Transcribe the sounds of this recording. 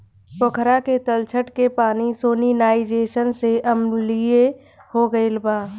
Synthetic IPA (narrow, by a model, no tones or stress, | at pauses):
pəkʰɾaket̪əlt͡ʃʰəʈkepaːnisoːninaːɪd͡ʒeːʃənseʔəmlie | hoɡəelbaː